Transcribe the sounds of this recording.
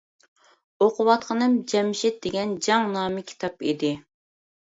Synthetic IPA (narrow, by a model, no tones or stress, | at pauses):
oqʰʊwɑt̪qʰənɨmd͡ʒɛmɪʃɪt̪̚d̪eɡʲɛnd͡ʒɑŋnɑːmɪkʲʰi̥t̪ʰɑpid̪ɪ